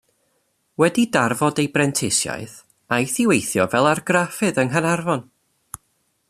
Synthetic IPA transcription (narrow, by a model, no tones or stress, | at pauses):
wɛdidarvɔdejbrɛntʰɪsja̰ɨθ | ajθɪwejθjɔvɛlˠarɡrafɨðənɦənarvɔn